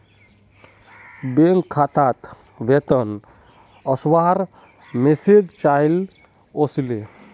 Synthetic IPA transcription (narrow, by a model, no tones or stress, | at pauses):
beŋkʰːat̪at̪ | ʋet̪ən | əswaɾ | mesed͡ʒt͡ʃajl | osile